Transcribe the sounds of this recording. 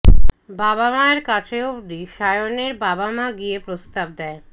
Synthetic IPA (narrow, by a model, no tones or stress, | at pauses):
babamaeɾkat͡ɕʰeod̪iʃajoneɾbabamaɡiepɾost̪ab̚d̪ɛe